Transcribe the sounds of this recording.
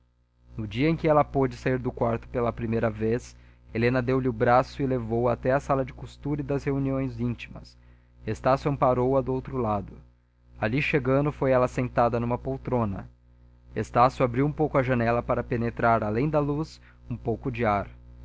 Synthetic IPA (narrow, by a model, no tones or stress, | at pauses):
nʊd͡ʒiɐẽj̃kɪɛlɐpod͡ʒɪsaiɾd̪ʊkwaɾt̪ʊ̥pelɐpɾimejɾɐveselẽnɐd̪ewlɪʊbɾasʊɪlevowat̪ɛɐsalɐd͡ʒɪkust̪uɾɐɪd̪ɐzheuniõj̃zĩnt͡ʃi̥mɐs | est̪asjɐ̃paɾowɐd̪ʊowt̪ɾʊlad̪ʊ | aliʃeɡɐ̃nd̪ʊfojɛlɐsẽnt̪ad̪ɐnũmɐpowt̪ɾõnɐ̰ | est̪asjʊabɾiwũpowkʊɐʒɐnɛlɐpaɾɐpenet̪ɾaɾalẽj̃d̪ɐlus | ũpowkʊd͡ʒɪaɾ